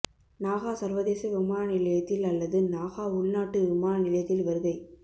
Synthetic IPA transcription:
naːɣaːsɐɾʋɐðeːsɐʋɪmaːnɐnɪlɐjɐt̪ːɪlɐlːɐðɯnaːɣaːʊɭnaːʈːɯʋɪmaːnɐnɪlɐjɐt̪ːɪlʋɐɾɯðɐɪ

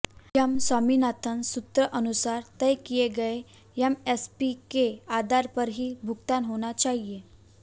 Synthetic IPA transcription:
jamsaminat̪ʰənsut̪ɾəʔənusaɾt̪əjkijeɡəe | jamespikead̪ʱaɾpəɾɦiːbʱukt̪anɦoɽ̃at͡ɕaɦie

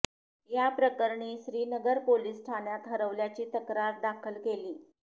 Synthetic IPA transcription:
japɾəkəɾɳiːɕɾiːnəɡəɾpoliːsʈʰanjat̪ɦəɾəʋljat͡ɕiːt̪əkɾaɾd̪akʰəlkeliː

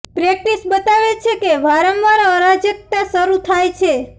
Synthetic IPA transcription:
pɾɛk̚ʈisbət̪aʋet͡ʃʰekeʋaɾəmʋaɾəɾad͡ʒjək̚t̪asəɾut̪ʰajt͡ʃʰe

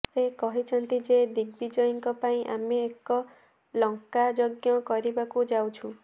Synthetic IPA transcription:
sekɔɦit͡ʃʰɔnt̪id͡ʒed̪iɡ̚bid͡ʒɔjɔŋkɔpaĩʔa̰meːkɔ | lɔŋkad͡ʒɔɡjɔkɔɾibakud͡ʒawt͡ʃʰũ

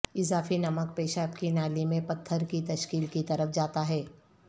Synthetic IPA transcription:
ɪzaːfinɐmək̚peːʃapkinaːlimẽpɐt̪ʰːəɾkit̪ɐʃkiːlkit̪ɐɾəfd͡ʒaːt̪aɦɛː

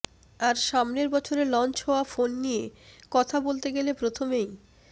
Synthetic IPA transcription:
aɾʃamneɾbɔt͡ɕʰoɾelɔnt͡ɕɦɔafonːijekɔt̪ʰabolt̪eɡelepɾot̪ʰomej

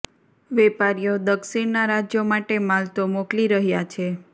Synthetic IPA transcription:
ʋɛpaɾijod̪əkʃiɳnaɾad͡ʒjomaʈemalt̪omokliɾəɦjat͡ʃʰe

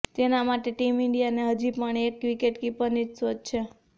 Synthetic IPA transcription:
t̪enamaʈeʈimiɳɖijaneɦəd͡ʒipəɳekːʋikeʈkipəɾnid͡ʒsʋəd͡ʒt͡ʃʰe

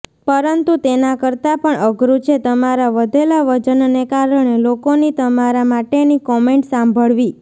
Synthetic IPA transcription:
pəɾənt̪ut̪enakəɾt̪apəɳəɡɾut͡ʃʰet̪əmaɾaʋəd̪ʱelaʋəd͡ʒənnekaɾəɳelokonit̪əmaɾamaʈenikɔmeɳʈsãmbʱəɭʋi

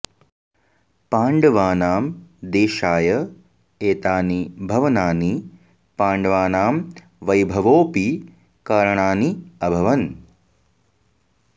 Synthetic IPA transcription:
paːɳɖɐʋaːnaːmd̪eːʃaːjɐ | eːt̪aːnibʱɐʋɐnaːni | paːɳɖɐʋaːnaːm | ʋɐjbʱɐʋoːpi | kaːɾɐɳaːniɐbʱɐʋɐn

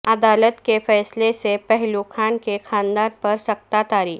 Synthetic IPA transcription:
əd̪aːlət̪kefɛːslesepɛɦlukʰaːnkekʰãnd̪aɾpəɾsɐk̚t̪at̪aːɾiː

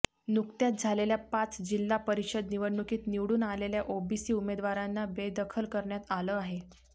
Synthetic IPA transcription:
nukt̪jat̪̚d͡zʱaleljapat͡sd͡ʑilːapəɾiɕəd̪niʋəɽɳːukiːt̪niʋɽuːnaleljaʔobisiːumed̪ʋaɾanːabed̪əkʰəlkəɾɳjat̪aləːaɦe

